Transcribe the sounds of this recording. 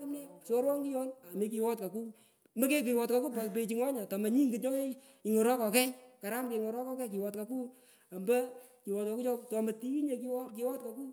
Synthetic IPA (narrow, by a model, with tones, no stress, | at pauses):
kʊ˦mnɛ˦sɔ˦ɾwɔ˦ŋɡi˦jɔ˦na˨mi˦k̬i˨wɔ˦tka˨ku˦ | mə˦ke˦k̬i˨wɔ˨tka˨ku˦pa˨kpe˨˧t͡ʃi˧ŋɔ˦ɲa˨ta˨ma˨ɲi˦ŋɡi˨ɲɔ˦ke˦ | i˨ŋɔ˨ɾɔ˦kɔ˨kɛ˦jka˨ɾa˦mke˨ŋɔ˨ɾɔ˦kɔ˦kɛ˦ki˨wɔ˨tka˨ku˦ | a˨mba˦ki˨wɔ˨tka˨ku˦t͡ʃɔ˦tɔ˨ma˨ti˦i˦ɲe˨˧ki˦wɔ˦ki˨˦wɔ˦tka˨ku˦